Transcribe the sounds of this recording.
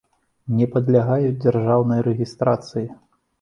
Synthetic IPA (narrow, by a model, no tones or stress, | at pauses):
nʲɛpɐd̪lʲaɣajud͡zʲɛrʐawnɐjɾɛɣʲist̪ɾat̪sɨji